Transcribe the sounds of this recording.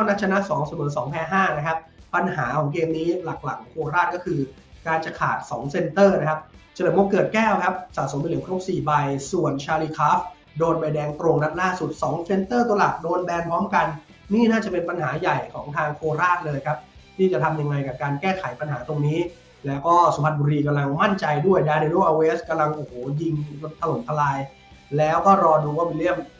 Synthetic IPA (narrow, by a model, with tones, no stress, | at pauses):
a˥˩wna˦˥t͡ɕʰa˧na˦˥ʔsɔː˩˦ŋsa˧mɤː˩˦sɔː˩˦ŋpʰɛː˧˩ɦaː˥˩na˦˥kʰa˦˥p̚pa˧nɦaː˩˦kʰɔː˩˦ŋk̬eː˧mniː˦˥la˨˩k̚la̰˨˩˦ŋkʰoː˧ɾaː˥˩t̪̚kɔː˥˩kʰɯː˧ | kaː˧nt͡ɕa˨˩kʰaː˨˩t̪̚sɔ̰ː˩˦ŋse˧nt̪ɤː˥˩na˦˥kʰa˦˥p̚t͡ɕa˧n˨˩˦waː˧˥˩kɤː˨˩t̪̚kɛː˥˩wkʰa˦˥p̚sa̰ː˨˩so˩˦mpa˧lɯ˩˦kʰɾu˦˥p̚siː˨˩ba˧jsu˨˩ənt͡ɕʰaː˧liː˧kʰaː˦˥f | doː˧nba˧jdɛː˧ŋt̪ɾo˧ŋna˦˥t̪̚laː˥˩su˨˩t̪̚sɔː˩˦ŋse˧nt̪ɤː˥˩t̪la˨˩doː˧nbɛː˧npʰɔː˦˥mka˧nː | iː˥˩naː˥˩t͡ɕa˨˩pe˧npa˧nɦaː˩˦ja˨˩jkʰɔː˩˦ŋt̪ʰaː˧ŋkʰoː˧ɾaː˥˩t̪̚lɤː˧jkʰa˦˥p̚t̪ʰiː˥˩t͡ɕa˨˩t̪ʰa˧mja˧ŋːa˧jkaː˨˩kaː˧nkɛː˥˩kʰa˩˦jpa˧nɦaː˩˦t̪o˧ŋniː˦˥ | lɛː˦˥wkɔː˥˩so˩˦pʰa˦t̪̚buː˧ɾiː˧k̬a˧mla˧ŋma˥˩nt͡ɕa˧jdu˥˩əjdaː˧ni˧noː˥˩ʔaː˧weː˦˥ska˧mla˧ŋʔoː˨˩hoː˩˦ji˧ŋlo˧t̪ʰːa˧lo˩˦nt̪ʰa˧laː˧j | lɛː˦˥wkɔː˥˩ɾɔː˧duː˧waː˥˩mi˧li˥˩əm